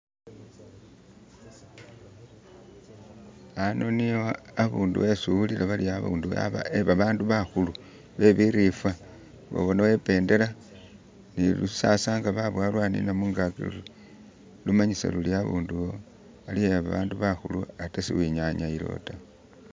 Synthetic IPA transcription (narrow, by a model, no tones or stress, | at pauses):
ano̞nijoaβuːndṵwesuβulilaβaliaβṵːndṵa̰βa̰eβaβaːnduβaxulu | βe̞βiɾifwa | βo̰βonawe̞pe̞ːnde̞la | nilusasaːŋɡaβaβwalwanḭnamuːŋɡakḭlṵ | lumaɲisa̰luliaβuːnduo | alieβaβa̰ːnduβaxuluatasḭwiɲaɲailo̞̰ta